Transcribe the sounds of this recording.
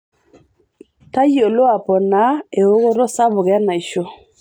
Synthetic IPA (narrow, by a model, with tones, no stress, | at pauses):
ta˦jo˨lo˦a˨pɔ˨na˨˦e˨o˦ɣo˦ɾo˦sa˦βʊ˨ɣa˦na˨i˨ʃo˦